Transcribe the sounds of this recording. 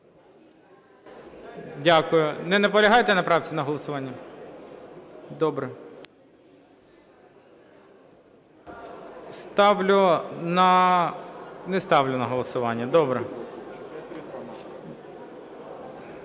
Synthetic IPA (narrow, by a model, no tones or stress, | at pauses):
dʲakʊjʊnɛnɛpɔlʲɐɦɑjt̪ɛnɐpɾɑwt͡sʲinɐɦɔlˠɔsʊʋɑnʲːɐ | d̪ɔbɾɛ | st̪ɑʋlʲʊnɐ | nɛst̪ɑʋlʲʊnɐɦɔlˠɔsʊʋɑnʲːɐd̪ɔbɾɛ